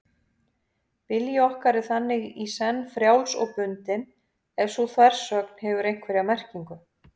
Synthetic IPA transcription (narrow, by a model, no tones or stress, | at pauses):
pɪljɪɔhkaɾɪθanːɪɣisɛnːfɾjawlsɔ̰ɣpʏnt̪ɪn | ɛv̥suθʰvaɾ̥sœkn̥hɛvʏɾejŋ̥kʰvɛɾɪamɛr̥ciŋkʏ